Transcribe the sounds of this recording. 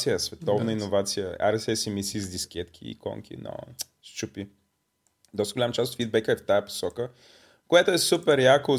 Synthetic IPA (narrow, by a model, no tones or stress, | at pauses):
sijəsvɛt̪ɔvnəinovat̪sijə̰a̰ɾɛsɛsimisizd̪ʲiskʲɛt̪kʰʲḭːkɔ̰ŋkʲḭnə̰ | st͡ʃupi | d̪ɔst̪əɡolamət͡ʃast̪ot̪fid̪̚bɛkəɛft̪ajəpo̥sɔkə | koɛt̪oɛsupɛɾjako